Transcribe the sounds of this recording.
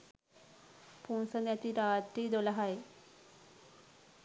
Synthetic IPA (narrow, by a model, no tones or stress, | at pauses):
punsənjat̪iːɾat̪ɾiːd̪olaɦae